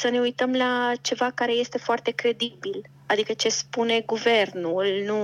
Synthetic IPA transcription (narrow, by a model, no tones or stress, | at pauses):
səne̞ujt̪əmlat͡ʃe̞vakaɾe̞je̞st̪e̞foart̪e̞kɾe̞d̪ibil | ad̪ikət͡ʃe̞spune̞ɡuve̞rnulnu